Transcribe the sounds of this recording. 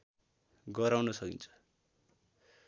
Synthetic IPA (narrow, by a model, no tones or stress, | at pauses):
ɡʌɾawnʌsʌkint͡sʰʌ̥